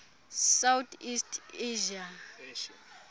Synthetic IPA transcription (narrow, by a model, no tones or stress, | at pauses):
sawtʰistʰeʒia